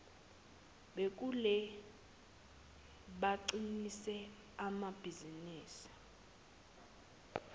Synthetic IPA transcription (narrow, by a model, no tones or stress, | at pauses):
ɓek̬ʼulɛ | ɓaǀinisɛ | amab̥ʱiziniːsi̥